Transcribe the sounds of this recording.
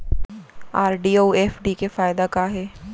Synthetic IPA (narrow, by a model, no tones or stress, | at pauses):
aːɾɖiːoːɛːfɖikefaːɪd̪akaːɦɛː